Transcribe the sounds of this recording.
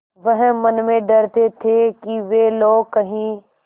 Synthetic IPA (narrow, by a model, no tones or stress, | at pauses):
ʋəɦə̃mɐnmẽɖɐɾt̪et̪ʰeːkiʋeːloːkɐɦĩː